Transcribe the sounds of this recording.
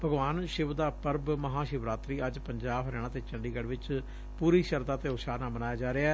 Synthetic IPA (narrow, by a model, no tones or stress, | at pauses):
bʱəɡʋaːnʃɪʋd̪aːpəɾbməɦaːʃɪʋɾaːt̪ɾiːəd͡ʒpəɲd͡ʒaːbɦəɾɛːɽ̃aːt̪eːt͡ʃəɳɖiːɡəɽʋɪt͡ʃ | puːɾiːʃəɾd̪aːt̪eːʊʃaːnaːbənaːjaːd͡ʒaːɾeaː